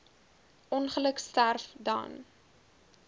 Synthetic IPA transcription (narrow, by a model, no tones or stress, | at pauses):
ʔɔnχələkstærfdɑ̰n